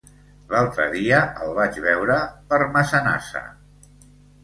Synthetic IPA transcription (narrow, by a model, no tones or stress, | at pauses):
lalˠt̪ɾə̰ðiəəlˠβ̞ad͡ʒβɛwɾəpəɾməsəna̰sə̰